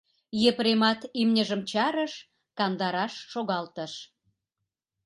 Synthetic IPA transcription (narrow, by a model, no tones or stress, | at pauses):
jepɾemɑt̪imnʲəʒə̆mt͡ɕɑɾəʃ | kɑnd̪ɑɾɑʃːoɣɑlt̪ə̆ʃ